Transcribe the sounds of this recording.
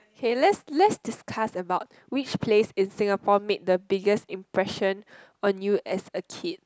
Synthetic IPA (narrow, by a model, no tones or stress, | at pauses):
okʰelɛtslɛtsdiskʰasəbaʊt̚ | wit͡ʃpʰlesĩnsĩŋapɔmet̚dəbiɡəsĩmpɹɛʃə̃n | ɔ̃njuʔɛsəkʰid̚